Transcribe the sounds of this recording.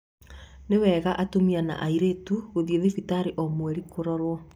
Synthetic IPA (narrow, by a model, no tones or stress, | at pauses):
newɛːɣaʔatomiana̰ʔaiɾetuɣoðijeðefitaɾeʔɔmwɛɾikoɾɔɾwɔ